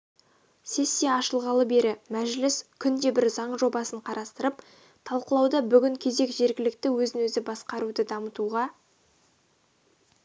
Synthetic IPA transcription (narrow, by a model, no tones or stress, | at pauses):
se̞sːijɑɑʃəlˠʁɑlˠəbe̞ɾɪmæʒlɪskʲʰʏnd̪e̞bɪɾzɑɴʒo̞bɑsəɴqʰɑɾɑst̪əɾəp | t̪ʰɑlˠqəlˠɑwd̪ɑbʏɡʲɪŋkʲʰe̞ze̞kʒe̞ɾɡʲɪlɪk̚t̪ɪwɵzɪnwɵzɪbɑsqɑɾud̪əd̪ɑmət̪uʁɑ